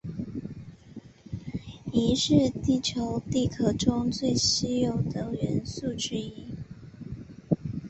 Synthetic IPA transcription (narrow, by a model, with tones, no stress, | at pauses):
i˧˥ʂɻ̩˥˧t̪i˥˩t͡ɕʰjo˧˥˦ʊt̪i˥˩kʰɤ˥˩ʈ͡ʂʊ˥ŋt͡swe˥˩ɪɕi˥jo˨˩ʊd̪ə˨˩ɥɛ˧˥nsu˥˩ʈ͡ʂɻ̩˥i˥